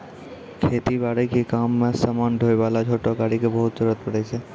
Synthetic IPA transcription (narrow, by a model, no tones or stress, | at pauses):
kʰeːt̪ibaːɽekekaːmːẽsamaːnɖʱoːeʋaːlat͡ʃʰoːʈokaːɽikebəɦʊt̪d͡ʒəɾət̪̚pəɽɛt͡ʃʰɛ